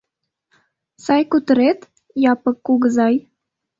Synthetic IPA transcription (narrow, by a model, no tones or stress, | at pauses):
sɑjkut̪ə̆ɾet̪ | jɑpə̆kːuɣəzɑj